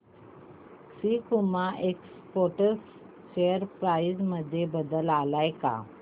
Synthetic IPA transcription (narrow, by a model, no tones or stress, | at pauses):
sikumaʔeks | poʈəs | ɕejəɾpɾajzməd̪ʱːjebəd̪əlalajka̰